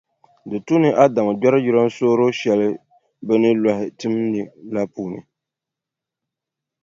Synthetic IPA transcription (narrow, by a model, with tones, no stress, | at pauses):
dɨ˨tu˦nɨ˦ʔa˦da˨mɨ˨dɔ˦ɾɨ˦ji˦ɾa˦n˦soː˦ɾo˦ʃɛ˨lɪ˦ | bɛ˦nɨ˦la˨hɪ˨tɨ˦mnɨ˨la˦puː˦nɨ̰˨